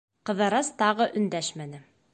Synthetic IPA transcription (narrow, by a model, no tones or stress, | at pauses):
qɤ̆ðɑɾɑst̪ɑʁɤʔɵ̆nd̪æʃmænɘ